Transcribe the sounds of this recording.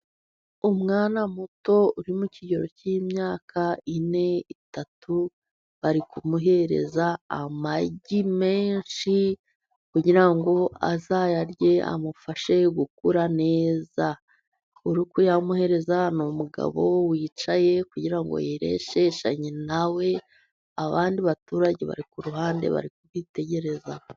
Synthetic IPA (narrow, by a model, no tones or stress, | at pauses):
umŋaːnamuto̞uɾimuciɟo̞ɾo̞cimɲaːkʰaine̞itatʰu | βaɾikumuɦe̞ɾe̞̰zaːmaɟime̞ːnʃi | kuɟiɾaŋɡo̞a̰zajaɾɟe̞a̰mufaʃe̞ɡukuɾane̞ːza | uɾukujamuhe̞ɾe̞zanomuɡa̰βowiːt͡ʃaje̞kuɟiɾaŋɡo̰jiɾe̞̰ʃe̞ʃaɲinawe̞ | aβaːndiβatuːɾaɟeβa̰ɾikuɾuɦaːndḛβa̰ɾikuβite̞ɟe̞ɾe̞za